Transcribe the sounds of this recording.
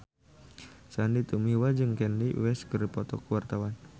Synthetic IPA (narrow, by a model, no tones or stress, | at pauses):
sandit̪umiwad͡ʒɨŋkɛnliwɛskəɾipɔt̪ɔ̰kuwart̪awan